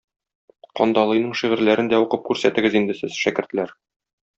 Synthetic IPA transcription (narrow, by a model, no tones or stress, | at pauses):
qɒ̰nd̪ɑlˠɤ̆jnɤɴʃiʁɘ̆ɾlæɾɘnd̪æuqɤp̚kʉɾsæt̪ɘ̆ɡɘzind̪ɘ̆sɘzʃækɘ̆ɾt̪̆læɾ